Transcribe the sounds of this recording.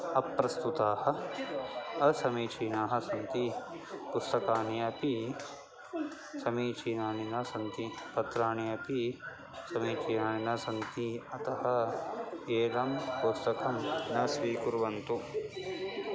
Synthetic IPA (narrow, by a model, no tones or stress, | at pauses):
ɐpːɾɐst̪ut̪aːhɐ̆ | ɐsɐmiːt͡ʃiːnaːɦɐ̆sɐnt̪ipust̪ɐkaːniɐpi | sɐmiːt͡ʃʰiːnaːɳinɐsɐnt̪ipɐt̪ɾaːɳijɐpi | sɐmiːt͡ʃiːnaːɳinɐsɐnt̪iɐt̪ɐɦɐ | eːɾɐmpust̪ɐkɐmnɐsʋiːkuɾʋɐnt̪u